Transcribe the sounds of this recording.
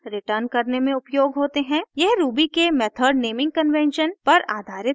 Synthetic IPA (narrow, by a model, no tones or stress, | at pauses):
ɾɪʈəɾnkɐɾnemẽʊpjoːɡɦoːt̪eɦɛ̃ːjɛɦɾuːbikemɛːt̪ʰəɾɖneːmɪ̃ŋɡ̚kɐnʋɛ̃nʃənpɐɾa̰ːd̪ʱaːɾɪt̪